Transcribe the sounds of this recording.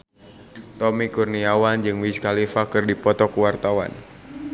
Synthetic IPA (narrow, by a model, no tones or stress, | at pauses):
t̪ɔmikurniawand͡ʒɨŋwiskalifakɨrdipɔt̪ɔkuwart̪awa̰n